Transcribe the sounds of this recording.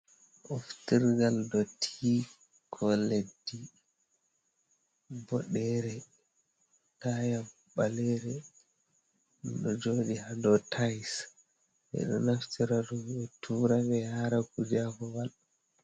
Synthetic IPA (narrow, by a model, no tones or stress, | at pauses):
ʔɔftiɾɡaldɔtʰi | kʰɔledːi | bɔɗɛɾɛ | tajam | ɓalɛɾɛ | ɗɔd͡ʒoːɗihadɔtʰajs | ʔɛ̰ɗɔ̰naftiɾaɾuɓɛtʰuːɾaɡɛhaɾakud͡ʒakɔwalɔ